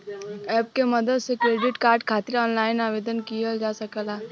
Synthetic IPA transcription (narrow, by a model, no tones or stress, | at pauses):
ɛːp̚kemɐd̪əd̪sekɾeːɖɪʈkaːɾɖkʰaːt̪ɪɾɔːnlaːɪnaːʋeːd̪ənkijad͡ʒaːsɐkəlaː